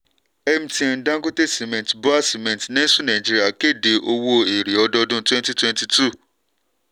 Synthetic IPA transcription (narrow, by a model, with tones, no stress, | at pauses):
ɛ˧mĩ˦tĩ˧˨˦dã˦ɡo˦te˦si˨mɛ̃˨tba˦si˨mɛ̃˨tnɛ̃˦sũ˦nã˨ĩ˨d͡ʒi˧ɾi˦a˦˨ke˦˨de˨ʔo˧wo˧e˨ɾi˨ɔ˧dɔ˧dũ˦twɛ̃˦nti˦twɛ̃˦nti˧tu˦˨